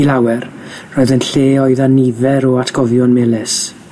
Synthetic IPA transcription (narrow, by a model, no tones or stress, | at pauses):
ilawɛrroːɨðənɬeːɔɨðanivɛɾɔatʰɡ̥ɔvjɔnmɛlˠɪs